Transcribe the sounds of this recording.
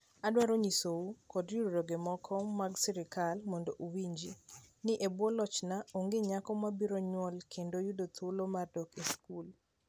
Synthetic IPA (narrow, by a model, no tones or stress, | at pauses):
adwaɾoɲisoukɔdjuɾoɾoɡemɔkʰɔmaɡsɪɾɪkalmɔndoʔuwiɲd͡ʒinɪʔebwɔlɔt͡ʃnaoŋɡeɲakɔmabiɾoɲwɔlkʰendojudot̪ʰulomardɔkeskul